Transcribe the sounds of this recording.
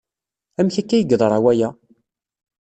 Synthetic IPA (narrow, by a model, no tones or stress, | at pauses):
æmçækːæjəɡðˤɾˤɑwæjæ